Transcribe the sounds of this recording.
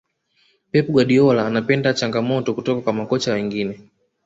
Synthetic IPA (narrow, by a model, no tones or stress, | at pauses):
pɛpuɡwaɗiɔlaːnapɛndat͡ʃaŋɡamɔtɔkutɔkakwamakɔt͡ʃawɛŋɡinɛ